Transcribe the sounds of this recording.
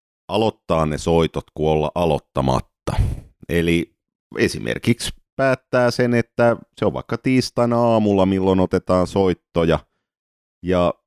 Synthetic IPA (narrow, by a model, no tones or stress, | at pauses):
ɑlot̪ːɑːnnesoit̪ot̪kuolːɑ̰ʔɑlo̰t̪ːɑmɑ̰t̪ːɑ̰eli | esḭmʔḛrkikspæːt̪ːæːsenet̪ːæseoʋʋɑ̰ikːɑt̪iːst̪ɑnɑːmulːɑmilːonot̪et̪ɑːnsoit̪ːojɑ | jɑ